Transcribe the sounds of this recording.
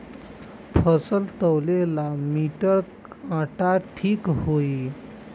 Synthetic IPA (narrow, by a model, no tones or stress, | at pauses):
pʰəsəlt̪əwlelamiʈəɾ | ãʈaʈʰiːkɦoi